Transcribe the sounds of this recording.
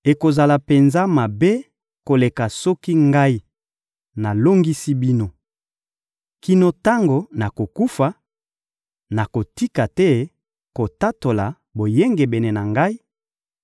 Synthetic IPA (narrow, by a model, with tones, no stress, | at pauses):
e˨ko˨za˨la˨pe˨nza˦ma˨be˦ | ko˨le˨ka˨sɔ˦ki˦ŋɡa˦i˦ | na˨lo˦ŋɡi˦si˦bi˦no˦ | ki˦no˦ta˦ŋɡo˨na˨ko˨ku˦fa˨ | na˨ko˨ti˦ka˨tɛ˦ | ko˨ta˦to˨la˨ | bo˨je˦ŋɡe˨be˨ne˨na˨ŋɡa˦i˦